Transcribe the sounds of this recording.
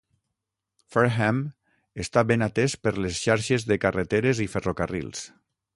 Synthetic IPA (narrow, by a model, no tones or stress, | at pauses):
feɾxɛm | est̪abenat̪espəɾlesʃaɾʃezðekaret̪eɾeziferokarḭlˠs